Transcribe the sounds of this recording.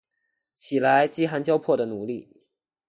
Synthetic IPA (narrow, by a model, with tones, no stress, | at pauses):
t͡ɕʰi˨˩la˧˦˥ɪt͡ɕi˥xa˧˥nt͡ɕjɑ˥ʊpʰwɔ˥˩d̪ə˩nu˨˧˦li˥˩